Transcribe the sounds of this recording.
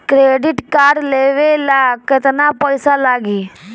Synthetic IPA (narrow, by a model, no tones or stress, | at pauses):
kɾeːɖɪʈkaːɾɖleːʋelakɪt̪napəjsalaːɡiː